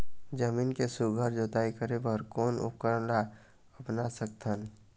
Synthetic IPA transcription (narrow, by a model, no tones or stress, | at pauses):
d͡ʒəmiːnkesʊɡʱəɾd͡ʒoːt̪aːikəɾebəɾkoːnʊ̰p̚kəɾla | əpnasək̚t̪ʰən